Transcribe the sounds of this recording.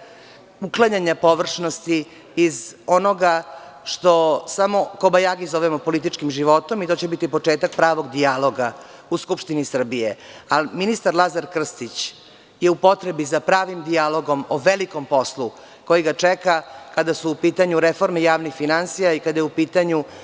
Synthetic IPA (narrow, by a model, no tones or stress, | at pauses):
uklˠaɲaɲapo̞ʋr̩ʂnost̪iː | zo̞noɡaʃt̪o̞samo̞kobajaɡizoʋemopo̞lit̪it͡ʂkimʒiʋo̞t̪o̞mit̪o̞ːt͡ɕebit̪ipo̞t͡ʂe̞ːt̪ak̚pɾaːʋo̞ɡd̪ialo̞ɡa | uskupʂt̪inisr̩bijealminist̪aɾlˠazaɾkr̩st̪it͡ɕ | jeupo̞t̪ɾebizapɾaːʋimd̪ialo̞ɡo̞moʋeliko̞mpo̞slu | ko̞jiɡat͡ʂekakad̪asuːpiːt̪aɲuɾefo̞ɾmejaːʋnixfinansijaikad̪ajeupiːt̪aɲu